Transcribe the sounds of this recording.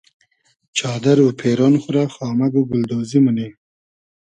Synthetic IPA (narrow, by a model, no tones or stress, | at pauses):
t͡ʃɑːd̪aɾupʰeɾonxʊɾaxɑːmaɡuɡʊld̪oziməni